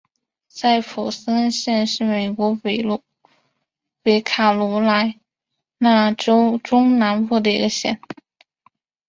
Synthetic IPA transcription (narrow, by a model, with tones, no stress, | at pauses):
sa˥˩ɪfu˨˩sə˥ɕjɛ˥˧nʂɻ̩˥˩me˨˩ɪkwɔ˧˥w | we˧˥ɪkʰa˨˩lu˧˥la˧˥ɪ | na˥˩ʈ͡ʂo˥ʊʈ͡ʂʊ˥ŋna˧˥npu˥˩d̪ə˩ḭ˧˥ɡə˧ɕjɛ̰˥˩n